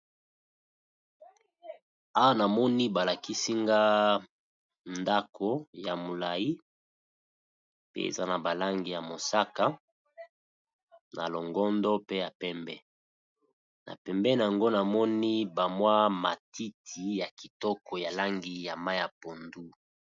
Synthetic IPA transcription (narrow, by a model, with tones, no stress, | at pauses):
a˦wa˦na˨mɔ˦ni˦ba˨la˨ki˦si˦ŋɡa˦ | nda˦kʰo˦ja˨mo˨la˨ji˦ | pḛ˦ḛ˨za˦na˨ba˨la˦ŋɡi˨ja˨mo˨sa˦ka˦ | nʔa̰˨lo˨ŋɡɔ˦ndɔ˦pe˦ja˨pɛ˦mbɛ˦ | na̰˨pɛ˨mbɛ˦na˨a˨ŋɡo˦na˨mɔ˦ni˦ba˨mwa˦ma̰˨ti˦tʰi˨ja˨ki˨tɔ˦kɔ˨ja˨la˦ŋɡi˨ja˨ma˦ja˨po˨ndu˦